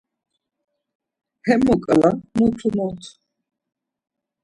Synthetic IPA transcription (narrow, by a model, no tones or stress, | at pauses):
hɛmukʼalamutʰumɔt̪ʰ